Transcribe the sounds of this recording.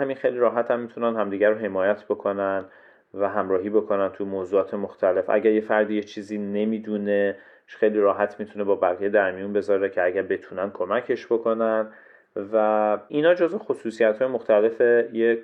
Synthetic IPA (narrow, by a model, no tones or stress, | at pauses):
hæminxe̞jliɾɒːɦæt̪ʰæmːit̪ʰunænɦæmd̪iːɟæɾoɦe̞mɒːjæt̪ʰbo̞kʰo̞næn | væɦæmɾɒːɦiːbo̞kʰo̞nænt̪ʰujemoːzuːɒːt̪ʰe̞moxt̪ʰæle̞fʔæ̰ɟæɾje̞fæɾd̪ijet͡ʃʰiːziːne̞miːd̪une | xejliːɾɒːɦæt̪ʰmit̪ʰune̞bɒːbæɣije̞d̪æɾmijunbe̞zɒːɾe̞cʰeæɟæɾbe̞t̪ʰunæn̚kʰo̞mæcʰe̞ʃb̥o̞kʰo̞næn | væinhɒːd͡ʒozexo̞suːsijæt̪ʰhɒːjemoxt̪ʰæle̞fe̞je